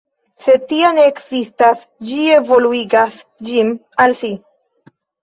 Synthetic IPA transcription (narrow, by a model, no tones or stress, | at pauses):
se̞t̪ianeːksistas | d͡ʒievoluiɡasd͡ʒim | alsi